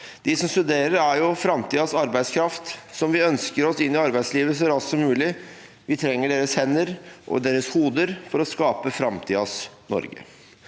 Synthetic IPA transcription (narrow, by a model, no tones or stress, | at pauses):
d̪̥ɪsɔmst̪ʉd̪eːɾəɾæɾjʊfɾɑmt̪ʰiːɑsɑɾbæɪd̪skʰɾɑft̪sɔmʋɪœnskəɾɔsɪnːɪɑɾbæɪsliːʋəs̬ɔæɾɑssɔmʉːlɪ | ʋɪt̪ʰɾɛŋːəɖeːɾəshɛnːəɾʔɔ̰d̪eːɾəshuːd̪əɾfɔɾɔskɑːpəfɾɑmt̪ʰiːɑsnɔ̰ɾɡə̰